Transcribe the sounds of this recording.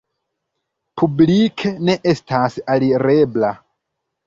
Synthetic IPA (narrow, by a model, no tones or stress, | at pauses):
pʰublikʰene̞ʔe̞stʰasaliɾe̞bla